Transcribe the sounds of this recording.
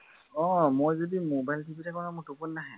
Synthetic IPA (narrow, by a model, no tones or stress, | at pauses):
ɔ̃mojzodimobajltʰibitʰakɔnamʊɹtupunːaɦɛ